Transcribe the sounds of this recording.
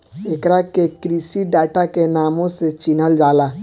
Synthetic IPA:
ekɾakekɾisiɖaʈakenaːmõset͡ʃinəld͡ʒaːla

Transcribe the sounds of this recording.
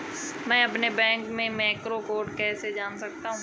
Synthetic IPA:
mɛ̃ːɐpnebɛ̃ːŋkmẽmɛːkɾokoːɾʈkɛːsed͡ʒaːnsɐk̚t̪aɦũː

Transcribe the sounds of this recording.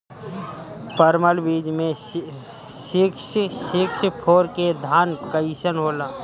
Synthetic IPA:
pəɾməlbiːd͡ʒmẽ | ʃɪksʃɪkspʰoːɾked̪ʱaːnkəɪsənɦoːlaː

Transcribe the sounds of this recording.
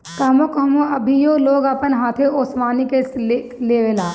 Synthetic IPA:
kɐːmokɦɐmoɐbʱijoːloːɡaːpənɦãːt̪ʰeoːsʋaːnikese | leːʋelaː

